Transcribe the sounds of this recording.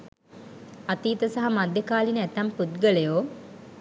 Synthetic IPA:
at̪iːt̪əsaɦamad̪jəkaːlinəæt̪amput̪̚ɡəlejoː

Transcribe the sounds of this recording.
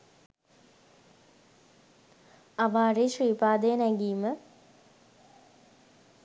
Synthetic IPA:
aʋaːreʃriːpaːd̪əjənɛɡiːmə

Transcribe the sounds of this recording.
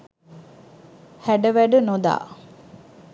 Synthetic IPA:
hæɖəʋæɖənod̪a̰ː

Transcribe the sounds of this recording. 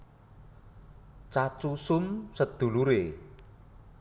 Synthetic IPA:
t͡ʃat͡ʃusʊmsəd̪̥ṳluɾe

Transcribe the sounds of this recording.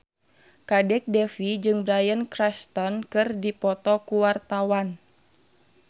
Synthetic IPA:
kadɛk̚dɛfid͡ʒɨŋbɾajənkɾɛst̪ɔnkɨrdipɔt̪ɔkuwart̪awan

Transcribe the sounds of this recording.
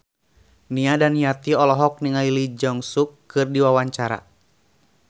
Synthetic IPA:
niadanijat̪iɔlɔɦɔk̚niŋailid͡ʒɔŋsukːɨrdiwawaɲt͡ʃaɾa̰

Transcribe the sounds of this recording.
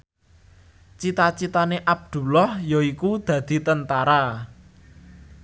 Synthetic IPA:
t͡ʃit̪at͡ʃit̪aneʔab̚d̪̥ṳlɔhjoikud̪̥ä̤d̪̥i̤t̪ənt̪aɾa

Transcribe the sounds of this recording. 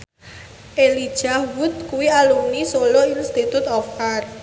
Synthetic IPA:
ʔelid̥ʒ̥awʊt̪̚kuwialunisoloinst̪it̪ut̪ɔfkar

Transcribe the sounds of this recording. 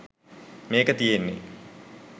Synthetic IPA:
meːkət̪ijenːḛ

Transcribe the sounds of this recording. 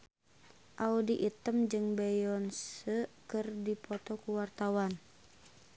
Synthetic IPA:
ʔaudiʔit̪əmd͡ʒɨŋbɛjɔnsəkɨrdipɔt̪ɔkuwart̪awan

